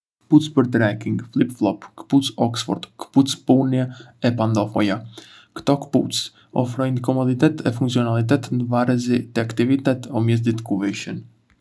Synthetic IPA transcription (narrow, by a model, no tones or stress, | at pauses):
kə̥put͡spəɾt̪ɾɛkiŋɡflˠipflˠɔpkə̥put͡sɔksfɔ̰ɾd̪̥kə̥put͡spunjaɛpand̪ɔfɔja | kt̪ɔkə̥put͡s | ɔ̰fɾɔjnkɔmɔd̪it̪ɛt̪ɛfuŋkt͡siɔnalˠit̪̬ɛt̪nd̪əvaɾəzit̪ɛakt̪ivit̪ɛt̪ɔmjɛzd̪it̪kuvɛʃən